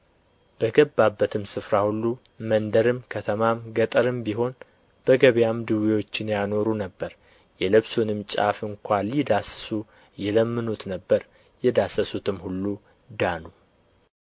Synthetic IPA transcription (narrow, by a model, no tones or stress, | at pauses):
b̥əɡəbːabːət̪ʰɨmsɨfɾahulːu | mənd̪əɾɨmkʰət̪ʰəmamɡət̪ʼəɾɨmbiɦo̞n | b̥əɡəβjamd̪ɨwiwo̞t͡ʃːɪnjano̞ɾunəbːəɾ | jɛlɨβsunɨmt͡ʃʼa̰fɨŋkʷalid̪asə̥su | jɛləmːɨnut̪nəbːəɾ | jɛd̪asəsut̪ʰɨmhulːu | d̪anu